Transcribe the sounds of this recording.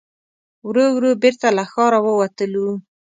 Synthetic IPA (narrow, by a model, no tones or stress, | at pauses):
wɾowɾobeɾt̪alaxɑɾawəwat̪əlu